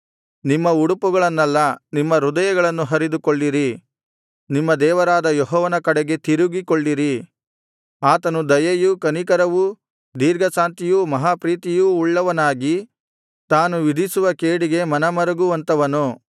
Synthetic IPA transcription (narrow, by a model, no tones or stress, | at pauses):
nimːɐuɽupuɡɐɭɐnːɐlːɐnimːɐɾud̪ɐjɐɡɐɭɐnːuɦɐɾid̪ukoɭːiɾi | nimːɐd̪ɛːʋɐɾaːd̪ɐjɔɦɔːʋɐnɐkɐɽɛɡe̞t̪iɾuɡikoɭːiɾi | aːt̪ɐnud̪ɐjɐjukɐnikɐɾɐʋu | d̪iːɾɡɐsaːnt̪ijumɐɦaːpɾiːt̪ijuːɭːɐʋɐnaːɡi | t̪aːnuʋid̪ʱisuʋɐkeːɽiɡe̞mɐnɐmɐɾɐɡuʋɐnt̪ɐʋɐnu